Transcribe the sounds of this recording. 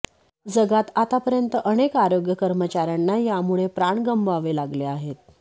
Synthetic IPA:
d͡zəɡat̪at̪apəɾjənt̪əʔəɽ̃ekaɾoɡjəkəɾmət͡ɕaɾjanːajamuɭepɾaɳɡəmbaʋelaɡleaɦet̪

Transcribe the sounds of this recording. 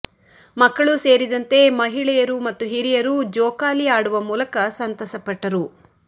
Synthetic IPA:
mɐkːɐɭuse̞ːɾid̪ɐnt̪e̞mɐɦiɭɛjɐɾumɐt̪ːuɦiɾijɐɾud͡ʒɔːkaːliaːɽuʋɐmuːlɐkɐsɐnt̪ɐsɐpɐʈːɐɾu

